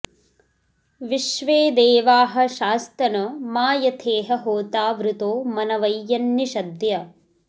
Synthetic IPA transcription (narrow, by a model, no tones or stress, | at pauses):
ʋiʃʋeːd̪eːʋaːɦɐ̆ʃaːst̪ɐnɐmaːjɐt̪ʰeːɦɐɦoːt̪aːʋɾut̪oːmɐnɐʋɐjːɐnjiʃɐd̪jɐ